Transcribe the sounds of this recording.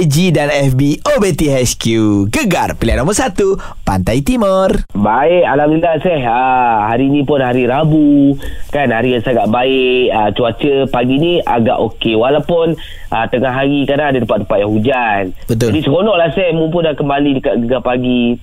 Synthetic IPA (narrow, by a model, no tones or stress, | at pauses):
d͡ʒidanɛfbiobet̪iɦɛskjuɡəɡa̰rpilianomərsat̪u | pa̰nt̪ajt̪imərbaɪʔalamnilasɛhəhaɾinĩpʊnɦaɾiɾabukanhaɾiasaɡaʔbaɪʔət͡ʃuat͡ʃəpaɡinia̰ɡa̰ʔokewalawpʊn | ʔət̪əŋaɦaɣikadaadədəpat̪̚dəpaʔjaɦud͡ʒanbət̪̬ʊlbisəkonɔʔlahsɛhmump̬ʊnakəmbalidəkaʔɡəɡapaɡi